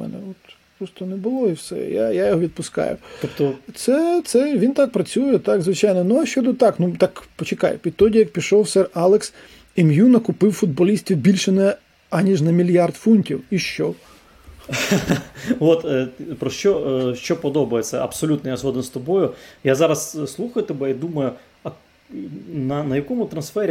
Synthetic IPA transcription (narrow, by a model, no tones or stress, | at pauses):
mɛ̰nɛ̰ɔt̪ | pɾɔst̪ɔnɛbʊlˠɔiwsɛ̰ja̰jajɔɦɔʋʲid̪̚pʊskɑ̰jʊ̰t̪ɔpt̪ɔt̪sɛt̪sɛʋʲint̪ɑk̚pɾɐt͡sʲujɛt̪ɑɡzʋɪt͡ʃajnɔnʊɐʃt͡ʃɔd̪ɔt̪ɑknut̪ɑkpɔt͡ʃekɑ̰jʊ̰pʲit̪ɔdʲijɐk̚pʲiʃɔwsɛrɑlˠeks | ɛmjunɐkʊpɪwfʊd̪̚bɔlʲisʲtʲiwbʲilʲʃɛnɛ | ɐnʲiʒnɐmʲilʲjɑrt̪funʲtʲiwiʃt͡ʃɔ | ʋɔt̪pɾɔʃt͡ʃɔʃt͡ʃɔpɔd̪ɔbɐjet͡sʲɐ̰ɐ̰psɔlʲut̪nɔjazɦɔd̪ɪnst̪ɔbɔjʊjazɑɾɐsslˠuxɐjʊt̪ɔbɛid̪umɐjʊ | ɐ | nɐnɐjɐkɔmʊt̪ɾɐnsfɛɾʲ